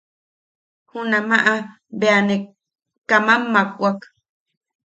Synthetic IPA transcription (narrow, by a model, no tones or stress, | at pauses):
hunamaʔa | beane | kamamːakʼʷak